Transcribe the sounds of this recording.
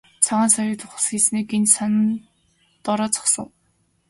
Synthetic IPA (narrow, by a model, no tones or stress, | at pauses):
t͡sʰaʁaːnsajʊːt̪ʊχə̆sxiːsniːkensanə̆n | t̪ɔɾɔːt͡sɔ̥χsə̰̆ŋ